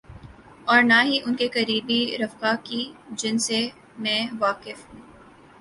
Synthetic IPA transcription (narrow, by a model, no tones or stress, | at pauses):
ɔːɾnaɦiʔʊnkekɐɾiːbiɾɐfkakid͡ʒɪnse | mɛ̃ːʋaːkɪfɦũː